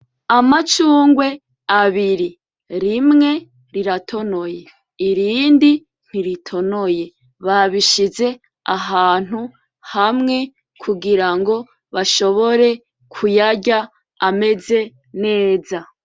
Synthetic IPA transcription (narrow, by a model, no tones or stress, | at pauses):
amat͡ʃuːŋɡwe̞ | aβiɾi | ɾimŋe̞ | ɾiɾatʰo̞no̞je̞ | iɾiːndi | n̥hiɾitʰo̞no̞je̞ | βaβiʃize̞ | aɦaːn̥hu | hamŋe̞ | kʰuɡiɾaŋɡo̞ | βaʃo̞βo̞ɾe̞ | kʰujaɟaː | me̞ze̞ | ne̞ːza